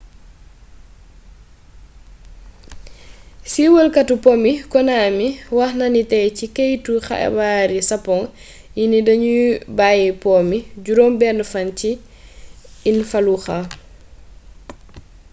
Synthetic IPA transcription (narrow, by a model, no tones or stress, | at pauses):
siwəlkatupɔmikɔnaːmiwaxnanitɛjcikejtuxa̰ɛ̰baɾisapɔŋ | jinidɐɲubajipɔmiɟuɾɔmbɛnfanci | nfaluxa